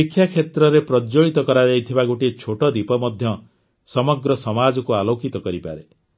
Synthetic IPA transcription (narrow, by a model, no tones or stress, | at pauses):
ikʰːjakʰet̪ɾɔɾepɾɔd͡ʒoɭit̪ɔkɔɾad͡ʒajt̪ʰibaɡoʈit͡ʃʰoʈɔd̪ipɔmɔd̪ʱjɔ | sɔmɔɡɾɔsɔmad͡ʒɔkualokit̪ɔkɔɾipa̰ɾe